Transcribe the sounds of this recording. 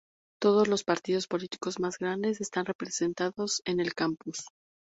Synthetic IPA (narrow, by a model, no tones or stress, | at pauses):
t̪o̞ð̞o̞zlo̞spaɾt̪iðo̞spo̞lit̪i̥ko̞zmazɣɾand̪e̞s̬e̞st̪anre̞pɾe̞se̞nt̪aðo̞se̞ne̞lkampus